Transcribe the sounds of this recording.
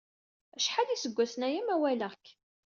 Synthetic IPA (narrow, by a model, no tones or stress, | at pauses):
æʃħalisəɡʷːæsənæjimæwælæk